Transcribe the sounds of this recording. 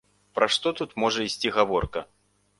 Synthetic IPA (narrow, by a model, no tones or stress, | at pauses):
pɾɐʂt̪ɔt̪ut̪mɔʐɐisʲt͡sʲiɣavɔrkɐ